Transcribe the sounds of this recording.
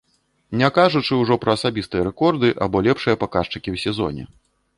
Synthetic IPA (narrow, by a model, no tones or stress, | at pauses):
nʲakaʐut͡ʂɨuwʐɔpɾɐːsabʲist̪ɨjɐɾɛkɔrd̪ɨʔa̰bɔlʲɛpʂɨjɐpakaʂt͡ʂɨkʲiwsʲɛzɔ̰nʲɛ̰